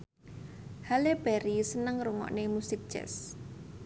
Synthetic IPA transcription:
haleb̥ɛɾisənəŋruŋɔ̰ʔnemusɪk̚d̥ʒ̥ɛ̰s

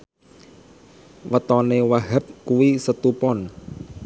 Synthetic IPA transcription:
wət̪ɔnewaɦəp̚kuwisət̪upɔn

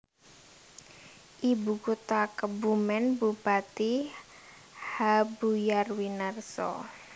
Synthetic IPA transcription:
ʔibukut̪akəbumɛnbupat̪i | habujarwinərsɔ̰

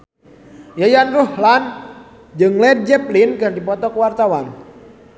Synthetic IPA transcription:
jajanruhlan | d͡ʒɨŋlɛd̚d͡ʒɛplinkɨrdipɔt̪ɔkuwart̪awan

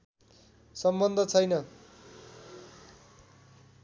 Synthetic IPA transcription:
sʌmbʌnd̪ʱʌt͡sʰʌjnʌ

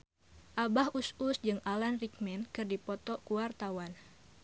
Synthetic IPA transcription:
ʔabahususd͡ʒɨŋʔalanrik̚mɛnkɨrdipɔt̪ɔkuwart̪awan

